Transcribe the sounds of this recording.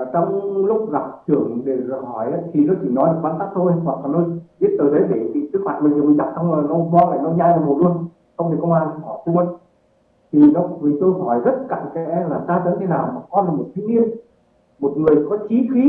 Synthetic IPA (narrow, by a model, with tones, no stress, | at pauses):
t͡ɕɔ˧wŋ͡mlʊ˦˥k͡p̚za˨˩k͡p̚t͡ɕɨ˧˩əŋɗe˧˩˨hɔ˧˩jʔa˨˦t̪ʰi˨˩nɔ˨˦t͡ɕi˧˩nɔ˨˦jɗɨ˨˩k̚vaː˧nt̪aː˦˥k̚t̪ʰo˧jhwa˨˩k̚laː˨˩no˨˦vi˦˥ət̚t̪əː˨˩t̪ʰə˨˦jɗe˧˩tḭ˧˨sɨ˦˥k̚ma̰ː˧˨jmə˨˩zt͡ɕa̰˧˥k̚sɔ˧wŋ͡mːnɔ˨˧˦vɔ˧la̰ː˧˩jnɔ˨˦ɲaː˧jnə˨˩ho˨˩lu˧ən | sɔ˧wŋ͡m̪i˨˩kə˧wŋ͡mʔaː˧n˧ɔ˧˩jt̪ʰu˧ə˧ | t̪ʰi˨˩nɔ˨˦ɨ˨˩t̪o˧jɦɔ˧˩jzə˦˥t̚ka̰˧˨ŋkɛ̰˦˧˥laː˨˩zaː˧t̪ə˨˦nt̪ʰe˨˦naː˨˩wmaː˨˩kɔ˧nlaː˨˩mo˨˩t̚t̪ʰi˧ŋɲi˧ən | mo˨˩t̚ŋɨ˨˩əjkɔ˨˦t͡ɕi˨˦xi˨˦